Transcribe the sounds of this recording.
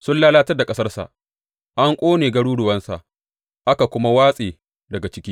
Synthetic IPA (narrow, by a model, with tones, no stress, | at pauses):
sʊ˦nlaː˦laː˦tɐ˦rda˨kʼɐ˦sɐ˦rsa̰˨ʔ | ʔa˦ŋkʷʼoː˦neː˨ɡɐ˦ɽuː˦ɽʊ˨wɐ˦nsa̰˨ʔ | ʔa˦ka˨kʷʊ˦ma˦waː˦sʼeː˨ | dɐ˨ɡa˨t͡ʃɪ˦kʲiː˦